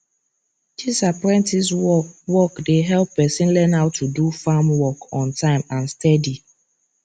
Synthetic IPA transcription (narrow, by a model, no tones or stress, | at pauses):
d̥isapɹɛ̃ntiswɔkdeɦɛlpːɛsĩnlɛ̃naʊtudufamwɔkɔ̃ntãɪ̃mãnstɛdi